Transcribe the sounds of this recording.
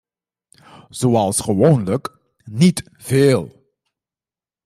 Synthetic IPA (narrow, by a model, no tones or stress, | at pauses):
z̥oːɑlˠsχəʋonlək | nit | v̥eːlˠ